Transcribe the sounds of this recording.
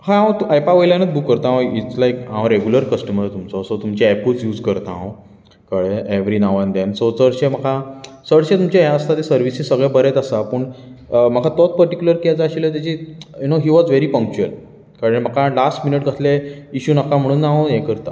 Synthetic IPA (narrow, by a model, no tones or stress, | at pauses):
hãããt̪uajpaʋəjlanət͡s̪̚bukːəɾt̪ãõit͡slajkãʋãɾeɡjuləɾkəsʈəməɾt̪umt͡sɔsot̪umt͡ɕeɛput͡sjuːd͡zkəɾt̪a̰ɦõ | kəɽeeʋɾinawʋãnd̪ɛ̃nsosəɽɕeməkʰa | səɽɕẽt̪umt͡ɕeɦjaəst̪at̪esəɾʋisĩsəɡɭebəɾet̪əsapəɳm̤əkʰat̪ɔt͡s̚pəɾʈikjuləɾkiat͡saːɕilət̪̬jat͡ɕijunoɦiʋɔd͡zʋeɾipə̃ŋk̚t͡ɕuəl | kaɾəɳm̤əkʰalasʈminəʈ̚ɡəsleiɕuːnakãm̤əɽ̃uːnːaaojɛkəɾt̪a̰